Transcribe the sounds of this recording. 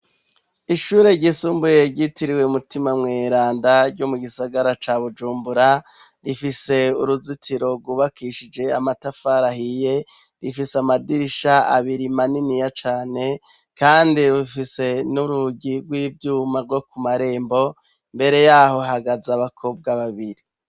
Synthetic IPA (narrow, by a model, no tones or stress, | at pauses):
iʃuːɾe̞ɾɟisuːmbujeɾɟitiɾiweumutimamŋeːɾaːndaɾɟomuɡisaɡaɾat͡ʃaβud͡ʒuːmbuɾa | ɾifise̞uɾuzitʰiɾo̞ɾɡuβakiʃid͡ʒe̞amatafaːɾahije̞ | ɾifiseamadiɾiʃaa̰βiɾimaninijat͡ʃaːne̞ | kaːndiɾufise̞nuɾuɟiɾɡwiːvjuːmaɾɡo̞kumaɾe̞ːmbo̞ | mbe̞ɾe̞jaːɦo̞ɦaɡazaβakʰo̞b̚ɡaβaβiɾi